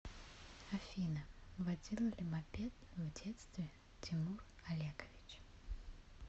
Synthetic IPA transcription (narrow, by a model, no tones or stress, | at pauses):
ɐfʲinəvɐdʲilˠəlʲɪmɐpʲet̪vdʲet̪st̪vʲɪ | tʲɪmurɐlʲakəvʲɪt͡ɕ